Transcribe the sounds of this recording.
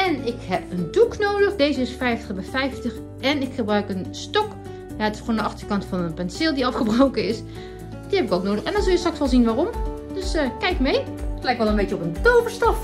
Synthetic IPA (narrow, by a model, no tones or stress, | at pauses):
ɛnɪkhɛpənduknoːdəxdeːzəɪsfɛjftə̥xbɛfɛjftəx | ɛnɪkxəbrœɥkənstɔk | jaətɪ̥sxoːndəɑxtərkɑntfɔnənpɛnsɪlˠdiɑfxəbrowkəɪs | d̥ihɛpɪkowk̚noːdəxɛndɔnzʊlˠjəstrɑksʋɔlˠzinʋaːromd̥øsəkɛjkmejtlɛjkʋɔlˠənbeːtjəopəntoːpəstɔf